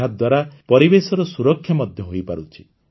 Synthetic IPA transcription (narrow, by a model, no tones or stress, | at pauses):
ad̪waɾapɔɾibesɔɾɔsuɾɔkʰːjamɔd̪ʱjɔɦojpa̰ɾut͡ʃʰi